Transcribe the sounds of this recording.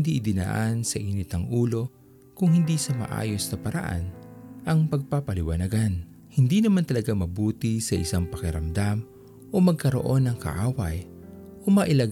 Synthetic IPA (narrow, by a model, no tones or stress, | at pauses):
nd̪iʔɪd̪ɪna̰ːʔansɐʔiːnɪt̪ɐŋʔuːlo̞ | kʊŋhɪnd̪isɐmɐ̰ʔa̰ːjo̞snɐpɐɾɐ̰ʔa̰nʔɐŋpɐɡ̚papɐlɪwanɐɡan | hɪnd̪inɐmant̪ɐlɐɡamɐbuːt̪isɐʔɪsaŋpɐkɛɾɐmd̪am | ʔo̞mɐɡ̚kɐɾo̞̰ʔo̞nːɐŋkɐ̰ʔaːwɐj | ʔomɐʔɪla